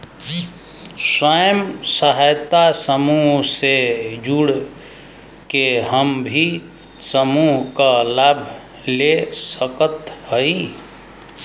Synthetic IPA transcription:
swəjəmsəɦajt̪asəmuɦsed͡ʒuɽ | keɦəmbʱi | səmuɦkalabʱ | lesəkət̪həi

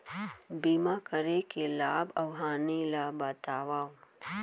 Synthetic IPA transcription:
biːmakəɾekelaːbɐwɦaːnilabət̪aːʋaːo

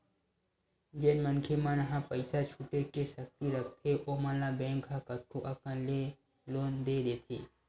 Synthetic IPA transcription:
d͡ʒeːnmənkʰemənəɦãpəɪsat͡ʃʰuʈekesəkt̪iɾək̚ʰt̪ʰeʔoːmãːlãbẽːŋkakət̪̚kʰoʔɐkənle | loːnd̪eːd̪eːt̪ʰiː

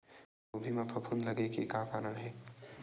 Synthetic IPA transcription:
obʱimɐpʰɐpʰunlɐɡekekaːkaːɾəɽɦɛː

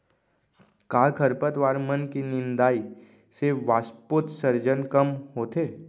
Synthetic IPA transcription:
kaːkʰəɾpət̪ʋaːɾmənkinɪ̃nd̪aːi | seʋaːspoːt̪səɾd͡ʒənkɐmɦoːt̪eː

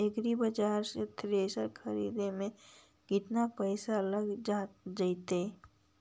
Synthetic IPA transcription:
eɡɾibəd͡ʒaːɾset̪ʰɾeːsəɾkʰɐɾḭːd̪emẽ | ɡɪt̪napəɪsaɐləɡad͡ʒaɪt̪e

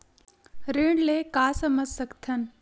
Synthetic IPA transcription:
ɾeɳleːkaːsəməd͡zsəkt̪ʰən

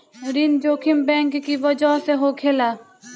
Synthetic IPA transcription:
ɾind͡ʒoːkʰɪmbɛ̃ːŋkːiʋəd͡ʒɔːseɦoːkʰeːlaː

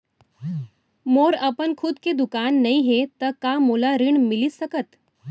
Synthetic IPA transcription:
moɾəpənkʰud̪ked̪ukanːəiɦet̪əkamolaɾiɳmilisəkət̪

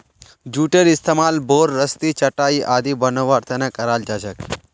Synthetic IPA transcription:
d͡ʒuʈeɾɪst̪ʰemalboɾːəst̪it͡ʃəʈaiʔaːd̪ibənəʋaɾt̪ʰənekəɾald͡ʒad͡ʒək

